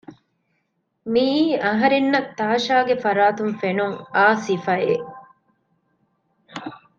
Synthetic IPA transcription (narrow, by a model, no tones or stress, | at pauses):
miːɐɦɐɾenːɐt̪ːaːʃaːɡefɐɾaːt̪unfenuŋaːsifɐe